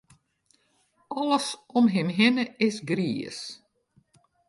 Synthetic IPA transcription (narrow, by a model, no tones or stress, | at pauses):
ɔləsɔmɦɪmɦɪnəɪsɡriə̰s